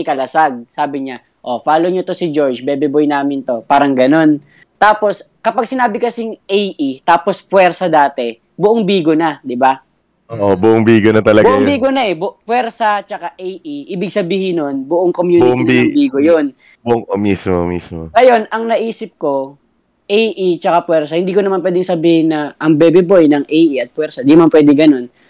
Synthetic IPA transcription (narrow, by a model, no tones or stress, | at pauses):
ɪkɐlɐsaɡ̚saːbɪɲa | ʔo̞faːloɲot̪o̞sɪd͡ʒo̞ɹd͡ʒbɛbɛbojnaːmɪnt̪o̞paːɾɐŋɡɐno̞n | t̪aːpo̞skɐpɐɡ̚sɪnaːbɪkɐsɪŋejʔit̪aːpospwɛɾsɐd̪aːt̪ɛ | bʊʔoŋbiːɡonad̪ɪba | ʔoʔobʊʔoŋbiːɡonɐt̪ɐlɐɡbʊʔoŋbiːɡonaʔɛbʊpwɛɾsɐt͡ʃɐkaʔejʔiʔiːbɪɡ̚sɐbiːhɪno̞nbʊʔoŋkomjuːtɪŋbiːɡojon | bʊʔoŋʔomiːsmo̰mḭːsmoŋɐjo̞nʔɐŋnɐʔiːsɪp̚ko̞ | ʔejʔit͡ʃɐkapwɛɾsɐhɪnd̪iːkonɐmanp̬wɛːd̪ɪŋsɐbiːhɪnːɐʔɐŋbɛbɛbojnɐŋʔejʔiɐt̪̚pwɛɾsɐd̪inɐmanpwɛːd̪ɪŋɡɐno̞n